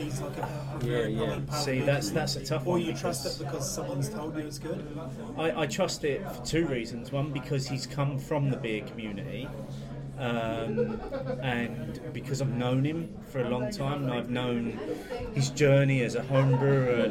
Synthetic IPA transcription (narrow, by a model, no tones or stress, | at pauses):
izlaɪkəh | jjæjæ̃pʰsiðætsðætsətʰʌfəjɨtʰɹ̥ʌstɪt̚b̥ɪkʰʌz̥sʌ̃mwʌ̃nz̥tʰoʊlˠd͡ʒɨəzɡʊdðət | aɪʔaɪtʰɹ̥ʌstɪtfətʰʉːɹiːzə̃nzwʌ̃nbɨkʰʌz̥iz̥kʰʌ̃ɱfɹə̃mðəbɪəkʰəmjʉːnɪ̰ti | ʌ̃m | ə̃nbɨkʰʌzaɪvnõʊ̃nɪ̃ɱ | fə˞əlɒ̃ŋtʰãɪ̃m̃naɪvnõʊ̃nɪzd͡ʒɜːniɨzəhõʊ̃mbɹʉə